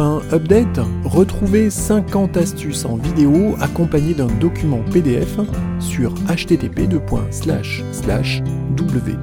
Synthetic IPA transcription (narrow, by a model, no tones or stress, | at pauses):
ɛ̃œp̚d̪ɛt̪ʁət̪χuvesɛ̃kɑ̃t̪ast̪ysɑ̰̃vid̪eoakɔ̃paɲed̪ɛ̃d̪ɔkʲymɑ̃ped̪eɛ̰f | syʁaʃt̪et̪eped̪əpwɛ̰̃sla̰ʃːla̰ʃd̪ubləvḛ